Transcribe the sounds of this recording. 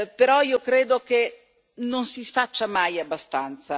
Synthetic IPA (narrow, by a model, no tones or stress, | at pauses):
peɾɔiːokɾeːd̪oke | nonsifat͡ʃːamajabːast̪ant̪sa